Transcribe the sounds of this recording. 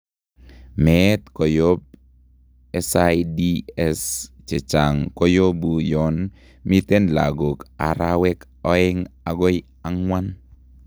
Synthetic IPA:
mɛt̪kɔ˨jo˦b̚ | ɛ˦saidi˦ɛst͡ʃe˨t͡ʃa˨ŋko˦jo˦bujɔ˨n | mi˦t̪e˦nla̰˨ɡo˨ka̰˨ɾawɛ˦k | ɔ˦ɪ˦ŋa˨ɡo˦j | a˦ŋwa˦n

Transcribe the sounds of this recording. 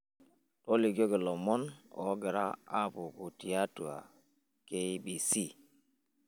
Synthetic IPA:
to˦li˨ɡo˦ɡi˨lɔ˨mɔ˦nɔ̰˨˦ɡe˨ɾa̰˦a˦pu˨ku˨ti˨a˦tu˨a̰˨ | ke˦i˦bi˨si˦˨

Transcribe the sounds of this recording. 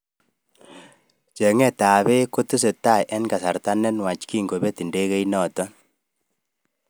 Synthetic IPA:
t͡ʃɛ˨ŋɛ˦˨ta˨βe˦ko˦tu˦s̬e˨ta˦˨jʔɛ˦nka˨sa˨ɾta˦nɛ˦nwa˨t͡ʃki˦˨ŋɡo˨be˦ti˨nde˦ɣe˦i˦nɔ˨tɔ˦

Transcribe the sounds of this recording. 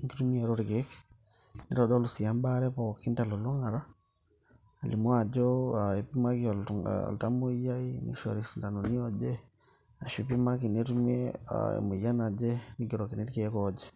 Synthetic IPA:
ŋki˦tumi˦eɾɔ˦ɾi˨ke˦k | niɾɔ˨dɔ˦lu˨si˨a˦mba˦ɾɛ˦pɔki˦nta˨lo˨lo˦ŋa˨ɾa˦ | a˨li˨mwa˨d͡ʒɔae˨pi˦ma˦kiɔ˨l̰lta˦mo˦ja˦inḭʃo̰˨ɾi˨si˨nda˨noni˦ɔ˦d͡ʒɛ˦ | a˨ʃu˨pi˦ma˦ki˨ne˦tu˦mi˦e˦a̰ḛ˨mo˨ja˦na˨d͡ʒɛ˦niɡi˨ɾo˨ki˨ne˦ɾikekɔd͡ʒe

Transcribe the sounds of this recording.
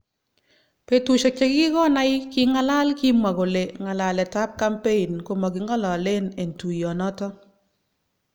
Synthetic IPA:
pe˨tu˨ʃe˨k̚t͡ʃe˦kɪ˦kɔ˦na˦jki˦ŋa˦la˦lki˦ma˨ɣo˨le˨ŋa˨la˨lɛ˨ta˦p̚ka˦mpe˦i˨nko˨ma˨ɡi˨ŋɔ˦lɔ˨le˦ne˨ntu˨jɔ˨nɔ˦tɔ˦

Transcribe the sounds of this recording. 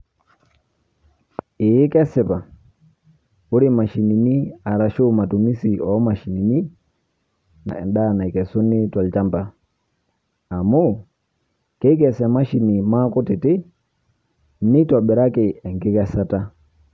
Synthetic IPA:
ɪ˨jkɛ˦sɛ˨pa˨ | o˦ɾi˦ma˨ʃi˨ni˨ni˦a˨ɾa˨ʃo˦ma˨tu˨mi˦si˨ʔɔ˨˦ma˨ʃi˨ni˨ni˦ | na̰˨ɛ̰˨nda˦˨na˨i˨kɛ˨su˦ni˦ta˨lt͡ʃa˦mba˦ | a˨mu˦˨ | ke˦k̬ɛ˦˨sɛ˨ma˦ʃi˨ni˨ma˦ko˦tɪ˨tɪ˦ | ni˦twa˨ɓɛ˨ɾa˦ke˨ɛ˨ŋɡɪ˦kɛ˦sa˦ta˦

